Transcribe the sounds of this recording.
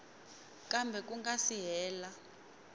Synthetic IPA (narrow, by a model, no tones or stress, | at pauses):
kʼambʱɛk̬ʼuŋɡasiɦɛːla